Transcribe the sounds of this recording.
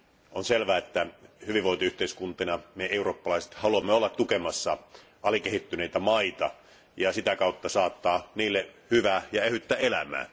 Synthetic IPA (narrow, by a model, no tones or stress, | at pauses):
onselʋæːet̪ːæhyʋiʋoit̪oyht̪eiskunt̪enɑmeeuroːpːɑlɑise̥t̪hɑluɑmːeolːɑt̪ːukemɑsːɑ | ɑlikehit̪ːyneit̪æmɑit̪ɑ̰ | jɑsit̪ækɑut̪ːɑsɑːt̪ːɑːniːlːehyʋæːjɑehyt̪ːæːelæ̰mæ̰ː